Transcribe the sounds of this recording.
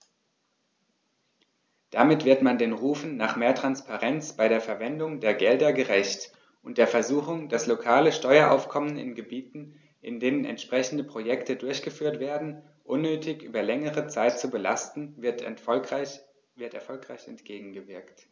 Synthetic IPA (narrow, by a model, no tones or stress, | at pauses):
d̥amɪtv̥ɪɐtmandeːnʁuːfn̩naːχmeːɐtʁ̥anspaʁɛnt͡sb̥aɪɾeːɐfɛɐvɛndʊŋdeːɐɡɛldɐɡəʁɛçt | ʔʊnt̚d̥eːɐfɛɐzuːxʊŋd̥aslokʰaːləʃtɔʏɐʔa̰ʊfkʰɔmənɪ̰nɡəbiːtn̩ | ʔɪ̰ndeːnənɛ̰ntʃpʁ̥ɛçn̩dəpʁ̥ojɛktədʊɐçɡ̥əfyːɐtv̥eːɐdn̩ | ʔʊnːøːtʰɪçʔyːbɐlɛŋəʁət͡saɪt̚t͡subəla̰stn̩t | vɪɐtɛɐfɔlkʁ̥aɪçɛ̰ntɡ̥eːɡŋ̩ɡəvɪɐkt